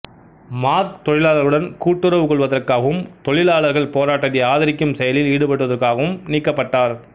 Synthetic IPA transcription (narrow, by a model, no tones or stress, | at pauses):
maːɾt̪ɔɻɪlaːɭɐɾɯɽɐnkuːʈːɯɾɐʋɯkɔɭʋɐðɐrkaːɣɐʋɯmt̪ɔɻɪlaːɭɐɾɣɐɭpoːɾaːʈːɐðɐaːðɪɾɪkːɯmsɛjɐlɪliːɽɯpɐʈːɐðɐrkaːɣɐʋɯmniːkːɐpːɐʈːaːɾ